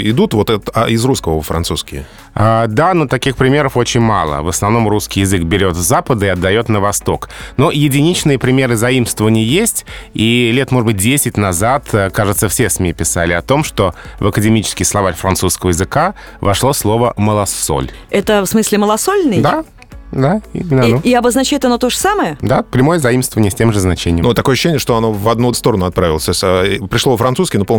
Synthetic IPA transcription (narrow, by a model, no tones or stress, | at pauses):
ɪd̪ut̪vot̪ɛt̪ɪzɾuskəvəfɾɐnt̪suskʲɪə | ad̪anot̪ɐkʲixpɾʲɪmʲe̞ɾəfo̞t͡ɕɪnʲma̰lˠə̰vəsnɐvno̞mruskʲɪjɪzɨkbʲɪɾʲo̞t̪zapəd̪əɪɐd̪ːɐjo̞t̪nəvɐst̪o̞knojɪdʲɪnʲit͡ɕnɨjəpɾʲɪmʲe̞ɾɨzɐimst̪vəvənʲɪəjesʲtʲilʲet̪mo̞ʐɨbɨt̚ʲdʲesʲɪt̚ʲnɐzat̪əkaʐɨt̪səfsʲesmʲipʲɪsa̰lʲɪɐt̪o̞mʂt̪o̞vəkədʲɪmʲit͡ɕɪ̥skʲɪxslˠɐvarʲfɾɐnt̪suskəvəjɪzɨka | vɐ̰ʂlˠoslˠo̞vəməlˠɐso̰lʲɛt̪əfsmɨsʲlʲɪməlˠɐsolʲnɨjd̪a | d̪aḭmʲɪnəɐnoiɐbəznɐt͡ɕæjɪt̪ɐno̞t̪o̞ʐəsaməjəd̪apɾʲɪmo̞jəzɐimst̪vəvənɪjəsʲtʲemʐɨznɐt͡ɕenʲɪjəmnt̪ɐkojəɕːenʲɪəʂt̪oɐno̞vɐd̪nust̪o̞ɾənʊɐt̪̚pɾavʲɪlˠəsʲt̪osʲtʲəpɾʲɪʂlˠovəfɾɐnt̪suskɪnopol